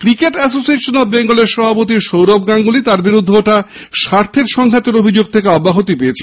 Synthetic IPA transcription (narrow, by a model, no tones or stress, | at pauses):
kɾikeʈɛsosieʃonobeŋɡoleɾʃɔbʱapot̪iʃowɾob̚ɡaŋɡulit̪aɾbiɾud̪ʱːeoʈa | ʃaɾt̪ʰeɾʃɔŋkʰat̪eɾobʱid͡ʑoɡ̚t̪ʰekeɔbːaɦot̪ipejet͡ɕʰe̥